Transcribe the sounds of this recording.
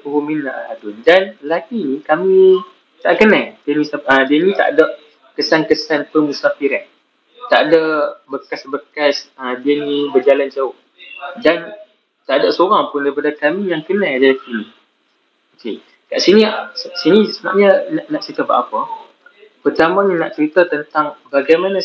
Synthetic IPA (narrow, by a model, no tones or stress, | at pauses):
pəhuminaʔa̰dʊndanlakinĩkami | t̪aʔkənãjdiənĩsaədiənĩt̪a̰ʔdəʔ | kəsankəsanpəmusafiɾan | t̪aʔdəbəkasbəkasədiənĩbərd͡ʒaland͡ʒaʊh | dan | t̪aʔdəʔsəoɾaŋpʊndaip̬adəkamĩjaŋkənãjad͡ʒaafil | oke | kaʔsinĩsəsinĩsəna̰ʔ̚ɲənaʔnaʔt͡ʃəɾit̪əba̰ʔapə | pərt̪aməɲəna̰ʔt͡ʃəɾit̪ət̪ənt̪aŋbaɡajmanã